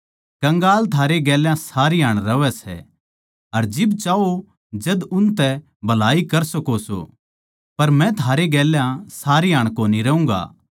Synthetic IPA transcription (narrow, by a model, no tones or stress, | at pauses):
kɐ̃ŋɡaːlt̪ʰaːɾeɡɛːljãsaːɾiɦaːɽ̃ɾɐʋɛsɛ̰ | ɐɾd͡ʒɪbt͡ʃaːo | d͡ʒɐd̪ʊnt̪ɛ | bʱɐlaːikɐɾsɐkoso̰ | pɐɾmɛ̃t̪ʰaːɾeɡɛːljãsaːɾiɦaːɽ̃koːniɾɐũːɡa̰ː